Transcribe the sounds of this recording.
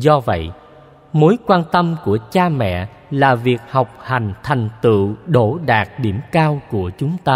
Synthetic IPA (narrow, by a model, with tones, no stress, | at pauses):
zɔ˧və̰˧˨j | mo˨˦jkwaː˧nt̪ə˧mku˧˩ət͡ɕaː˧mɛ̰˧˨ | laː˨˩vi˨˩ək̚ha˨˩wk͡p̚ha˨˩jŋ̟t̪ʰa˨˩jŋ̟t̪ɨ̰˧˨ɗo˧˩ɗaː˨˩t̚ɗi˧˩əmkaː˧wku˧˩ət͡ɕʊ˨˦ŋ͡mt̪aː˧